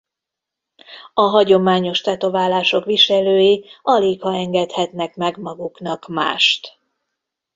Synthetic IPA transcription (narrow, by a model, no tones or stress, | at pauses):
ɒɦɒɟo̞maːɲo̞ʃt̪ɛt̪o̞vaːlaːʃo̞kʋiʃɛløːjiɒleːkhɒɛŋɡɛt̪hɛt̪nɛkmɛɡmɒɡuknɒkma̰ːʃt̪